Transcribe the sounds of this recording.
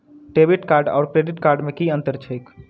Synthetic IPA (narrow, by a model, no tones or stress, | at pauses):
ʈebiʈkaːɾɖa̰ːɾkɾeɖiʈkaːɾɖmẽkiə̃nt̪əɾt͡ʃʰəjk